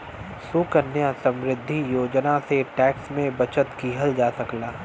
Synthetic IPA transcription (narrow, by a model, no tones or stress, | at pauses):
sukənːjasɐ̃mɾɪd̪ʱːijoːd͡ʒnaseʈɛːksmẽbɐt͡ʃət̪kiɦəld͡ʒaːsɐklaː